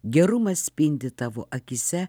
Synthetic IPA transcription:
ɡʲɛɾʊmɐsʲsʲpʲɪnʲd̪ʲɪt̪ɑʋoʔɐkʲɪsʲɛ

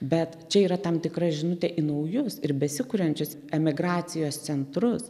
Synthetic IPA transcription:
bʲɛt̪t͡ʃʲɛiːɾɐt̪ɐmt̪ʲɪkrɐʒʲɪnʊt̪ʲɛʔɪnɐʊjʊsɪɾbʲɛsʲɪkʊɾʲɛnʲt͡ʃʲʊs | ɛmʲɪɡɾɑːsʲɪjoːst͡s̪ʲɛnt̪ɾʊs

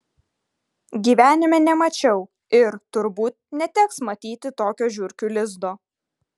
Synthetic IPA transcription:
ɡʲiːʋʲæːnʲɪmʲɛnʲɛmɐt͡ʃʲɛʊ | ɪɾt̪ʊɾbuːt̪̚nʲɛt̪ʲɛksmɐt̪ʲiːt̪ʲɪt̪oːkʲoːʒʲʊɾʲkʲuːlʲɪzd̪oː

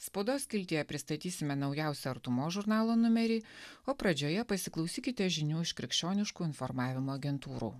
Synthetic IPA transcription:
spoːd̪oːskʲɪlʲt̪ʲiːjɛpʲɾʲɪst̪ɐt̪ʲiːsʲɪmʲɛnɐʊjɛˑʊsʲɛɐɾt̪ʊmoːʒʊɾnɑːlˠoːnʊmʲɛɾʲiːoːpɾɐd͡ʒʲoːjɛpɐsʲɪklˠɒʊsʲiːkʲɪt̪ʲɛʒʲɪnʲuːɪʃkʲɾʲɪkʲʃʲt͡ʃʲoːnʲɪʃkuːɪnfɔɾmɑːʋʲɪmoːɐɡʲɛnt̪uːɾṵː

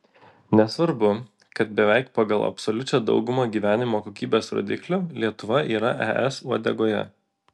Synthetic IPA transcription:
nʲɛsʋɐɾbʊ | kɐt̪̚bʲɛʋʲɛɪkpɑɡɐlˠɐ̰pʲsɔlʲʊt͡ʃʲod̪ɒ̰ʊɡʊmɐɡʲiːʋʲæːnʲɪmoːkoːkʲiːbʲeːsɾo̰ːd̪ʲɪklʲʊlʲiɛt̪ʊʋɐʔiːɾɐʔɛ̰ʔɛsuɔd̪ʲɛ̰ɡoːjɛ̰

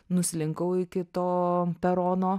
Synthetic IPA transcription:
nʊsʲɪlʲɪŋkɐʊɪkʲɪt̪oːpʲɛɾoːnoː

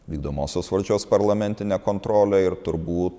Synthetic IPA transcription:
ʋʲiːɡ̚d̪oːmoːsʲoːsʋɐlʲd͡ʒʲoːspɐɾlˠɐmʲɛnʲt̪ʲɪnʲɛːkoːnt̪ɾoːlʲɛɪɾt̪ʊɾbuːt̪

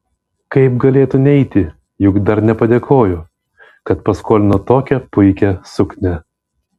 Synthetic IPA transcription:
kɐɪp̚ɡɐlʲeːt̪ʊnʲɛɪt̪ʲɪ | jʊɡd̪ɐɾnʲɛpɐd̪ʲeːkʰoːjʊ | kɐt̪pɐskoːlʲɪnot̪oːkʲɛpʊɪkʲɛsʊknʲɛ

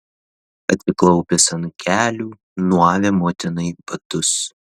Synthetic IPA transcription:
ɐt̪ʲsʲɪklˠɒʊpʲeːsɐnkʲʰæːlʲuː | nuɔʋʲemoːt̪ʲɪnɐɪbɐt̪ʊs

